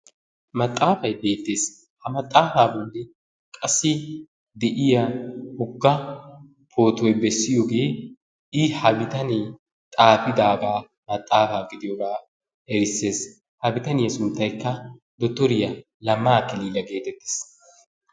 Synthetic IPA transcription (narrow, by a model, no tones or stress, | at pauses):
mɐt̪ʼːaːfɐjbe̞ːt̪ːe̞ːs | hɐmɐt̪ʼːaːfaːbolːɛ | kʼɐsːɪ | d̪ɛʔɪjɐhʊɡːɐ | pʰo̞ːt̪ɔjbɛsːɪjoːɡe̞ː | ɪhɐbɪt̪ɐnɪ | t̪ʼaːfɪd̪aːɡaː | mɐt̪ʼːaːfaːɡɪd̪ɪjɔɡaː | ɛɾɪsːe̞ːs | hɐbɪt̪ɐnɪjɐsʊnt̪ːɐjkːɐ | d̪ɔt̪ːɔɾɪjɐ | lɐmaːkɪliːlɐɡe̞ːt̪ɛt̪ːe̥ːs